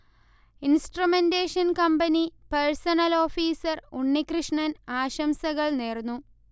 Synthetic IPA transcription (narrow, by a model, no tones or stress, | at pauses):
insʈrumendeːʂɐnkɐmbɐnipɐɻsɐnɐlo̞ːfiːsɐruɳːikrɨʂɳɐnaːɕɐmsɐɣɐɭneːrnːu